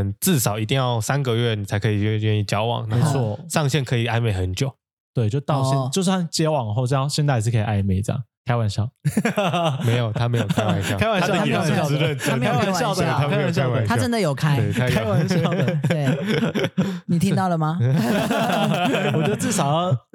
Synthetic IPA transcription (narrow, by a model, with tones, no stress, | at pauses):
nt͡sɹ̩˥˩sɑ˨˩˦ʊi˧˥t̪i˥˧ŋjɑ˥˩ʊsa˦nɡə˨ɥɛ˥˩ni˨˩a˧˥ɪkʰɤ˧i˨˩ɥɛ˥˧ɥɛ˥˧ni˥˩t͡ɕjɑ˥ʊwɑ̰˨˩˦ŋna˨˦˥xo˥wɔ˨˩ʂɑ˥˧ŋɕjɛ˥˩nkʰɤ˧˥i˨˩a˥nme˨˩ɪxə˧˦nt͡ɕjo˨˦ʊ | t̪we˥˩ɪt͡ɕjo˥˧ʊt̪ɑ˥˧ʊɛ˥t͡ɕj̬̩˥˧˥a˥˩t͡ɕjɛ˧˦˥wɑ˨˩ŋ˨xo˥˧ʊ˥˧ɕjɛ˥˧nt̪a˥˧ɪ˧ʂ̬ɻ̩˥˩kʰe˧˥i˨˩ʔa˥˩me˨˩ɪ˩ʈ͡ʂɑ̰˥˨ŋkʰa˥ɪwa˨˩nɕjɑ̰˥˩ʊ | me˧˥˦ɪjo˨˩ʊt̪ʰa˦˥me˧˥ɪjo˨kʰa˦ɪwa˨˩njkʰa˥ɪwa˨n˥˨˧ə˥˨n˥˦˥wa˨njɑ˥˩˧ʊd̪ə˩tʰa˥me˥˧˥wa˨˧˩ɕa˥˧wa˨˩nt̪ʰa˥ə˦nd̪ə˨jo˨˩ʊkʰa˥ɪe˥˩a˥a˥wa˧nɕɑ˥˨ʊe˨ | ni˨˩t̪ʰĩ˦˥t̪ɑ˥˩lə˩ma˩ | wɔ˨t͡ɕɥɛ˥d̪ə˧t͡sɹ̩˥˩ʂɑ˨˩ʊj